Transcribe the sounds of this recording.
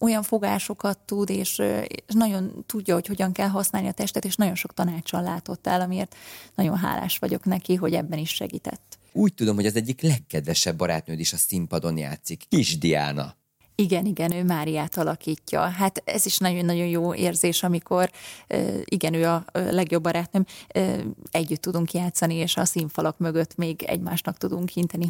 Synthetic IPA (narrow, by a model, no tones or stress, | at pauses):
o̞jɒɱfo̞ɡaːʃo̞kɒt̪ːud̪eːʃeʃnɒɟo̞nt̪uɟːɒho̞cho̞ɟɒŋkɛlɦɒsnaːlniɒt̪ɛʃt̪ɛt̪eːʃnɒɟo̞nʃo̞k̚t̪ɒnaːt͡ʃɒlla̰ːt̪o̞t̪ːɛ̰lɒmiḛːrt̪nɒɟo̞̰nɦa̰ːla̰ːʃʋɒ̰ɟo̞̰knɛkiɦo̞ɟɛ̰bːɛniʃʃɛ̰ɡḭːt̪ɛ̰t̪ː | uːc̚t̪ud̪o̞mɦho̞ɟɒzɛɟːiklɛkːɛd̪vɛʃɛbːɒɾa̰ːt̪̚nøːd̪eʃɒsimpɒd̪o̞nja̰ːt̪sikkiʒd̪ia̰ːnɒ̰ | iɡɛniɡɛnøːmaːɾijaːt̪ɒlɒkiːcːɒ̰ɦat̪ɛ̰ziʃnɒɟo̞nːɒɟo̞njoːḛːrzeːʃɒmiko̞rø̰ːiɡɛnøːɒlɛɡjo̞bːɒɾaːt̪nømø̰ːɛɟːyt̪ːud̪uŋkjaːt̪sɒnieːʃɒsiɱfɒlokmøɡøt̪ːmeːɡɛ̰ɟmaːʃnɒkt̪ud̪uŋkhint̪ɛni